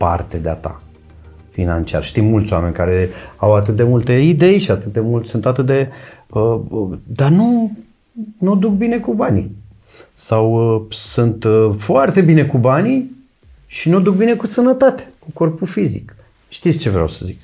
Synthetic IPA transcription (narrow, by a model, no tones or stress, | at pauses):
pa̰rt̪ed̪ea̰t̪a̰ | fina̰nt͡ʃia̰rʃt̪imːult̪sʲoame̞nʲkaɾe̞awat̪ɨt̪̚d̪e̞mult̪e̞id̪e̞jʃiat̪ɨt̪̚d̪e̞mult̪sunt̪at̪ɨt̪̚d̪e̞əd̪arnu | nuod̪uk̚bine̞kubani | sawəsunt̪foart̪e̞bine̞kubani | ʃinuod̪uk̚bine̞kusənət̪at̪e̥kuko̞rpufizḭk | ʃt̪it̪sʲt͡ʃe̞vɾea̰wsə̥zik